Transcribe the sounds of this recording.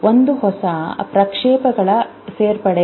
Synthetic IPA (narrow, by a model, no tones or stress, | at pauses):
ʔond̪uɦɔsɐpɾɐkʂeːpɐɡɐɭɐ | seːɾpɐɽe